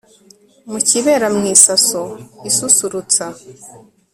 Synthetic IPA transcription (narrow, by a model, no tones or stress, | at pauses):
muciβe̞ːɾamŋiːsasoisusuɾut͡sa